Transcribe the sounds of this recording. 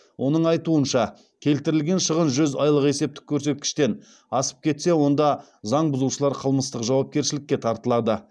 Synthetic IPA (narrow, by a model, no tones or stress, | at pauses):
wʔo̞nəɴɑjt̪uənʃɑ | kʲʰe̞lt̪ɪɾɪlɡʲe̞nʃəʁənʒʏzɑjlˠəqe̞se̞p̚t̪ɪ̥kʲʰːɵɾse̞t̪̚kʲɪ̥ʃt̪e̞n | ɑsə̥p̚kʲʰe̞t̪se̞wo̞nd̪ɑ | zɑɴbʊzuʃəlˠɑɾqʰəlˠməst̪əqʒɑwɑp̚kʲe̞ɾʃɪlɪkʲːe̞t̪ʰɑɾt̪əlˠɑd̪ə